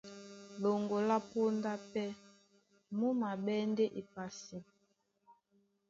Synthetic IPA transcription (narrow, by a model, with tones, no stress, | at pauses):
lo˨ŋɡo˨la˦po˦nda˦pɛ˦ | mu˦ma˨ɓɛ˦nde˦ʔi˨pa˨si˨